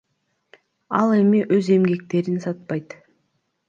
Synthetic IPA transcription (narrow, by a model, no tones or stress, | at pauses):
ɑlˠe̞miʔøze̞mɡe̞k̚t̪e̞ɾinsɑt̪̚pɑjt̪